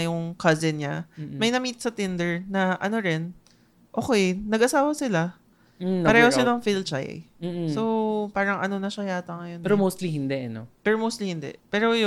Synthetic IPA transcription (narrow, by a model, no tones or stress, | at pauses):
jʊŋkɐzɪnɲamɐjnɐmiːt̪̚sɐt̪ɪnd̪ɛɹnɐʔɐno̞ɾɛn | ʔoːkejnɐɡʔɐsaːwɐsɪla | ɐɾɛːhoɪnɐŋfilt͡ʃa̰j̰̩so̞wpaːɾɐŋʔɐ̰no̞nɐʃɐjaːt̪ɐŋɐjonɛɾomowst̪lihɪnd̪ɛʔɐno̰pɛɾomowst̪lihɪnd̪ɛ̰ʔpɛːɾoj